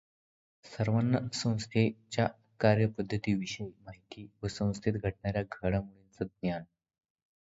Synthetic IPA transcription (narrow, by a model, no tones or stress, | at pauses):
səɾʋənːəsə̃w̃st̪ʰet͡ɕja | kaɾjəpəd̪ʱːət̪iːʋiɕəjimaɦit̪iːʋəsə̃w̃st̪ʰit̪ɡʱəʈ̚ɳaɾjaɡʱəɽamuɭint͡səd̪̚njan